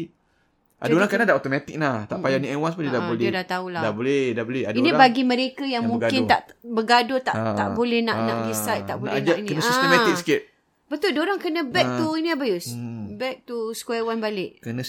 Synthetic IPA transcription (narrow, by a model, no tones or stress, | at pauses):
ʔa̰oɾaŋkanãdaot̪omãt̪ɪk̚naht̪a̰ʔpajanĩawanspədidabolɛdat̪auladabolɛdabolɛhadiniɾabaɡimə̃ɾekajaŋmuŋɡkɪnt̪aʔbəɡadʊt̪aa̰ʔbolɛhnaʔnaʔdisajt̪aʔbolɛnd͡ʒainkənəsaisəmɛt̪ɪk̚sə̥kɪt̪̚ | bət̪ʊldoɾaŋkənə̃bɛk̚t̪uiniabajʊsbɛk̚t̪uskwanbalɪʔkənə̃